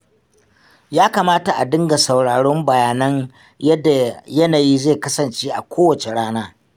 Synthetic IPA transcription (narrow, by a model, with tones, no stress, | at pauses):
jaː˦kaː˨maː˦ta˨ʔa˨dɪ˦ŋɡa˨sa˨wɽaː˨ɽɔ˦mbɐ˨jaː˨nɐ˦ɲ | jɐ˦da˨jɐ˦naː˨ji˦zeː˦˨kɐ˦sɐ˨nt͡ʃeː˦ʔa˨kʷoː˦wɐ˨t͡ʃe˨ɽaː˦naː˦